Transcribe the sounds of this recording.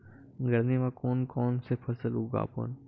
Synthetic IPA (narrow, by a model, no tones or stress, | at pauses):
ɡəɾnimãkoːnkɔːnsepʰɐsəluɡa̰ːpə̰n